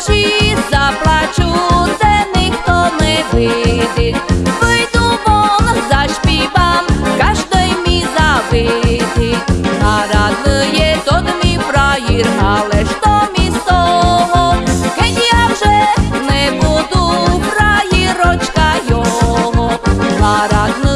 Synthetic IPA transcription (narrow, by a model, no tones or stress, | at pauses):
t͡ʃizaplˠat͡ʃut̪ɛnɪxt̪ɔnɛʋɪd̪ɪʋɪjd̪ʊmɔnzaʃpʲibamkaʒd̪ɪjmʲizaʋɪd̪ɪnaɾad̪nɨjɛd̪ɔd̪mʲipɾajiɾɦalˠɛʂt̪ɔmʲist̪ɔɦɔkɛnʲijawʐɛnɛbud̪upɾajiɾɔt͡ʃkajɔɦɔaɾad̪nɨ